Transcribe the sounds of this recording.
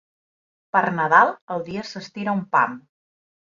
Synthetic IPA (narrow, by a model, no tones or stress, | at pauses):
pəɾnəðalˠəlˠd̪iəsəst̪iɾaumpa̰m